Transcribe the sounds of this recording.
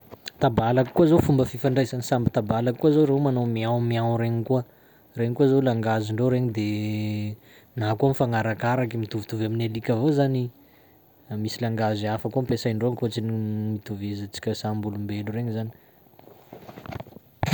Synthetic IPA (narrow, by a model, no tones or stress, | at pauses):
t̪abalakkuazofumbəfifaɳɖ͡ʐasanisambit̪abalakkːuazoɾewmanomiawmiawɾeɲikuə | reɲikuazolaŋɡaziɳɖ͡ʐoɾeɲid̪e | naɦkuamfaŋaɾakaɾakimit̪uvut̪uvaminalikʲavozani | misilaŋɡaziafakuampesaiɳɖ͡ʐoaŋkot͡sinimit̪uvezat͡si̥kʲəsambulumbelureɲizani̥